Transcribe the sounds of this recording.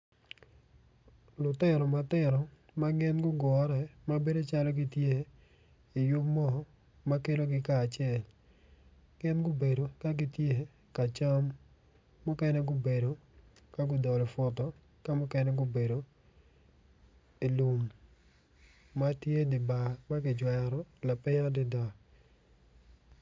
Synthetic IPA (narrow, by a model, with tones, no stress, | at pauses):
lʊ˨tɪ˦˨ɾɔ˨ma˨tɪ˦ɾɔ˨ | ma˦ɡɪ˦nɡʊ˦ɡɔ˨˦ɾɛ˨ma˦be˦do˦t͡ʃa˦lɔ˦ɡɪ˦tje˦ | ɪ˨jʊ˦pmɔ˦˨ | ma˦ke˦lo˦ɡɪ˦kaː˨t͡ʃɛ˨l | ɡ̥ɪ˦nɡʊ˦be˨do˨ka˦ɡɪ˦tje˦ | ka˨t͡ʃa˦mː | ʊ˦kɛ˦nɛ˦ɡʊ˦be˨do˨ | ka˦ɡʊ˦dɔ˨lɔ˨fʊ˨tɔ˦ | ka˦mʊ˦kɛ˦nɛ˦ɡʊ˦be˨do˨ | i˨lu˨m | a˦tje˦dɪ˨ba˨ma˦ɡɪ˨d͡ʒwɛ˨ɾɔ˦la˨pɪ˦ŋ˦dɪ˦da˨